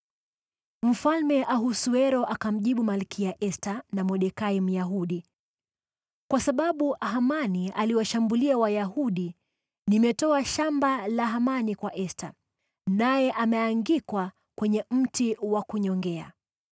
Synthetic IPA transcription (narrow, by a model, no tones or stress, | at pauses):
m̩falmɛʔaɦusuɛɾɔʔakam̩ʄiɓumalkijaʔɛstanamɔɗɛkaim̩jaɦuɗi | kwasaɓaɓuɦamanialiwaʃambuliawajaɦuɗi | nimɛtɔaʃambalaɦamanikwaʔɛsta | najɛʔamɛaŋɡikwa | kwɛɲɛm̩tiwakuɲɔŋɡɛa̰